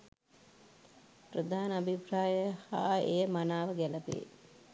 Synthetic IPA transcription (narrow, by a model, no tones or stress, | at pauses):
prəd̪aːnəabʱipraːjəhaːejəmanaːʋəɡæləpḛː